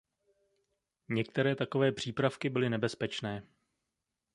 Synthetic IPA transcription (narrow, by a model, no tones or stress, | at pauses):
ɲɛk̚t̪ɛɾɛːt̪ako̞vɛːpr̝̥iːpɾafkɪbɪlɪnɛbɛspɛt͡ʃnɛː